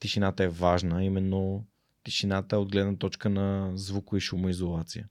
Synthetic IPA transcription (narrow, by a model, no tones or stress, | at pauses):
t̪iʃinat̪əɛvaʒnəimɛnːo | t̪iʃinat̪əɛod̪̚ɡlɛd̪nət̪ɔt͡ʃkənɐzvukoiʃumoizolˠat̪sijə